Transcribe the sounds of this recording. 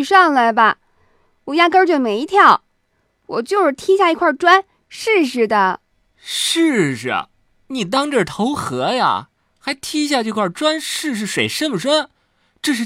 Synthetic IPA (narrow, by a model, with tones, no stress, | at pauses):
ʂɑ˥˩ŋlə˨bɐ˧ | wɔ˨˩ja˥˩kə˥t͡ɕjo˥˩me˨˩ɪi˧˥t̪ʰjɑ˥˩ʊ | wɔ˨˩t͡ɕjo˥˧ʊʂɻ̩˥˧t̪ʰi˥ɕja˥˩i˧˥kʰwa˥˩ʈ͡ʂwa˥n | ʂɻ̩˥˧ʂ̬ɻ̩˥˩d̪ə˩ | ʂɻ̩˥˩ʈ͡ʂə̰˩ | ni˨˩t̪̬ɑ˥ŋʈ͡ʂɤ˥˩t̪ʰo˧˥ʊxɤ˧˥ja̰˨˩ | xa˧˥ɪt̪ʰi˥˧ɕja˥˧ʈ͡ʂɤ˥˧kʰwa˥˩ʈ͡ʂwa˥nʂɻ̩˥˧ʂ̬ɻ̩˥˩ʂwe˨˩ɪʂə˥˩nmə˩ʂwa˥n | ʈ͡ʂɤ˥˧ʂɻ̩˥˩